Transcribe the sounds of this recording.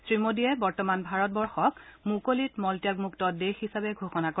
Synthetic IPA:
sɹimodijɛbɔɹtɔmanbʱaɹɔt̚bɔɹxɔkmukolitmɔltijakmuktɔdexisabɛɡʱoxɔnako

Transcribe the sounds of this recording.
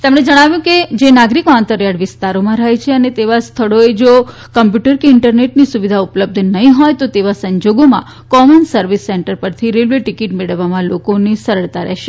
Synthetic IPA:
t̪əmɽed͡ʒəɽ̃aʋjũked͡ʒenaɡɾikoant̪əɾjaɽʋɪst̪aɾomãɾajt͡ʃʰeənet̪eʋast̪ʰəɭoed͡ʒo | kəmpjuʈəɾkeɪɳʈəɾneʈnisuʋid̪ʱaʊpələb̚d̪ʱnəɦĩɦɔjt̪ot̪eʋasəɲd͡ʒoɡomã̰ | kɔmənsəɾʋisːeɳʈəɾpəɾt̪ʰiɾelʋeʈikiʈmeɭəʋːamãlokonesəɾəɭt̪aɾɛ̰ɦʃe

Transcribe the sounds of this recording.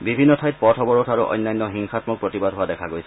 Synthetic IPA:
bibʱinːɔtʰajt̚pɔtʰɔbɔɹutʰaɹuʔɔ̰jnːajnːɔɦiŋxatmɔk̚pɹotibadɦʊadɛkʰaɡojsʰɛ

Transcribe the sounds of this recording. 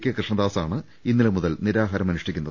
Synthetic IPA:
kʲːɨkrɨʂɳɐd̪aːsaːɳɨ | inːilɐmuðɐlniɾaːɦɐɾɐmɐnuʂʈikʲːunːɐðɨ

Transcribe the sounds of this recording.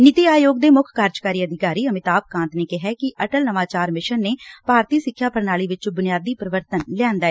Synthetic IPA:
nɪt̪iːaːjoːɡd̪eːmʊkʰkaːɾd͡ʒkaːɾiːəd̪ʱɪkaːɾiːəmɪt̪aːp̚kãːnt̪neːkɪɦɛːkɪʔəʈəlnəʋaːt͡ʃaːɾmɪʃənːeːpaːɾt̪iːsɪkʰːjaːpəɾnaːliːʋɪt͡ʃbʊnɪjaːd̪iːpɾəʋəɾt̪ənljãːnd̪aːɛː

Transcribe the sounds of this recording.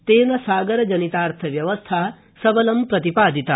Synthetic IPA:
t̪eːnɐsaːɡɐɾɐd͡ʒɐnit̪aːɾt̪ʰɐʋjɐʋɐst̪ʰaː | sɐbɐlɐmpɾɐt̪ipaːd̪ʱit̪a

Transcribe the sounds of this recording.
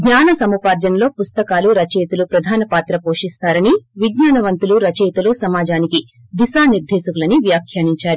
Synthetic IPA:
ɡɲaːnɐsɐmupaːɾd͡ʒɐnɐlo̞ːpust̪ɐkaːluɾɐt͡ʃeːt̪ulupɾɐd̪ʱaːnɐpaːt̪ɾɐpoːʂist̪aːɾɐniʋiɡɲaːnɐʋɐnt̪uluɾɐt͡ʃeːt̪ulusɐmaːd͡ʒaːniki | d̪isaːniɾd̪ʱeːsɐkulɐniʋjaːkʰjaːniɲt͡ʃaːɾi

